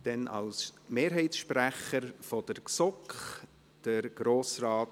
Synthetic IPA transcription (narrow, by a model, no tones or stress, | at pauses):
d̥ɛnʔɑ̰lsmeːɾɦɛɪtsʃpræχəɾfɔd̥əɾksɔkχ | d̥əɾɡ̥ɾoːsrɑːt